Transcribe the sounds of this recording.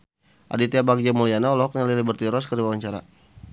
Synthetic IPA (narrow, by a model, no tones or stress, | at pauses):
ʔa̰dit̪iabak̚d͡ʒamulianaulɔɦɔknalilibərt̪iɾɔskərdiwawaɲt͡ʃaɾa̰